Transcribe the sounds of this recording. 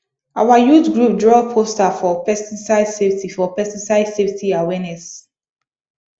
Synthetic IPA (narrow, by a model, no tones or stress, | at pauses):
awajudɡɹup̚dɹɔpʰostafɔpɛstisaɪdseftʰifɔpɛstisaɪdsevtiawɛnɛs